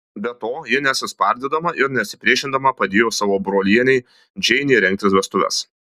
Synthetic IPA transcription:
bʲɛt̪oːjɪnʲɛt̪sʲɪspɐɾʲd̪ʲɛd̪ɐmɐʔɪɾnʲɛɐt̪ʲsʲɪ̥pʲɾʲiɛʃʲɪnd̪ɐmɐpɐd̪ʲeːjoːsɑːʋoːbɾoːlʲiɛnʲɛɪ | d͡ʒʲɛɪnʲiːɾʲɛŋʲk̚t̪ʲɪsʋʲɛst̪ʊʋʲɛ̰s

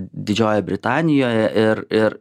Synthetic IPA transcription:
d̪ʲɪd͡ʒʲoːjɛbʲɾʲɪt̪ɑːnʲɪjoːjɛʔɪɾɪɾ

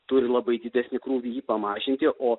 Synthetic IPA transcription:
t̪ʊɾʲɪlˠɐbɐɪd̪ʲɪd̪ʲæsʲnʲɪkɾuːʋʲijiːpɐmɑːʒʲɪnʲt̪ʲɪʔoː

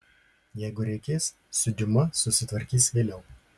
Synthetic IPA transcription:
jɛɪɡʊɾʲɛɪkʲeːsː | ʊd̪ʲɪmɐsʊsʲɪt̪ʋɐɾʲkʲiːsʋʲeːlʲɛʊ

